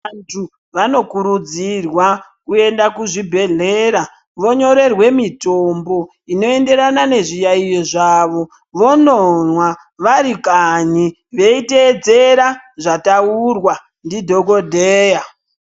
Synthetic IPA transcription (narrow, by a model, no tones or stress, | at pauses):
antʰu | ʋano̞kuɾud͡zirwakue̞ndakuʐibʱe̞ɮe̞ːɾa | ʋo̞ɲo̞ɾe̞rwe̞mitombo̞ | ino̞e̞nde̞ɾanane̞ʐijaijoʐaːʋo̞ | ʋo̞nonwa | ʋaɾikaɲi | ʋe̞ite̞ːd͡ze̞ɾaʐataurwa | ndidʱo̞ko̞dʱeːja